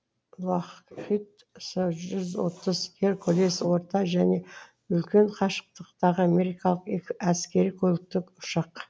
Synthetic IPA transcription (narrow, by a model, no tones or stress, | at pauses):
lɑχχit̪ | səʒʏzwo̞̰t̪əzkʲʰeɾkʰɵleswo̞ɾt̪ɑʒæne̞ | ʏlkʲe̞ɴqʰɑʃə̥q̚t̪əqt̪ɑʁəame̞ɾijkɑlˠəqeæskʲe̞ɾijkʲʰɵlɪk̚t̪ɪkʊ̥ʃɑq